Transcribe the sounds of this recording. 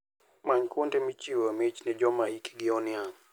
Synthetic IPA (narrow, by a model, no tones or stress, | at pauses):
maɲkontɛmit͡ʃiwomɛt͡ʃnɛd͡ʒɔmaiki̥ɡɪɔnia